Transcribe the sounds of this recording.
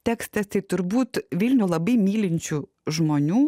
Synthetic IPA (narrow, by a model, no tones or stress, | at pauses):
t̪ʲɛkst̪t̪ɛst̪ɐɪt̪ʊɾbuːt̪ʋʲiːlʲnʲʊlˠɐbɐɪmʲiːlʲɪnʲt͡ʃʲu | ʒmonʲuː